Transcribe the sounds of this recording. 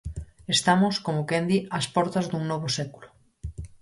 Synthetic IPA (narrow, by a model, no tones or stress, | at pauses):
est̪amoskomokɛnd̪iaspɔɾt̪ɐzd̪uŋnɔβ̞osɛkulo